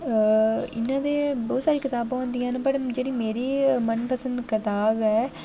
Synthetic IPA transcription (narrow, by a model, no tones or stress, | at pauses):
ɪ̰nːãːd̪eːbɔːt̪saːɾiːkɪt̪aːbãːãːnd̪ĩjãːnepəʈd͡ʒeːɽiːmeːɾiːmənpəsə̃nd̪kɪt̪aːbɛː